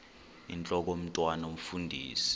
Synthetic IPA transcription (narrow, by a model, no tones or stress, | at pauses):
ḭnt͡ɬʼɔk̬om̩tʼwanom̩fundʱiːsi̥